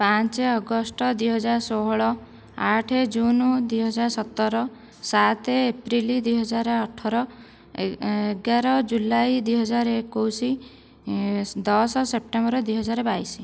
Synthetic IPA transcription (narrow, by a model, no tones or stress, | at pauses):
pãnt͡ʃeɔɡɔsʈɔd̪wijɦɔd͡ʒaɾsoɦɭɔ | aʈʰed͡ʒunɔd̪uiɦɔd͡ʒaɾsɔt̪ːɔɾɔ | sat̪eːpɾilid̪wijɦɔd͡ʒaɾɔɔʈʰɔɾɔ | eeɡaɾɔd͡ʒulajd̪ujɦɔd͡ʒaɾekowsi | d̪ɔsɔsep̚ʈembɔɾɔd̪wijɦɔd͡ʒaɾɔbajsi̥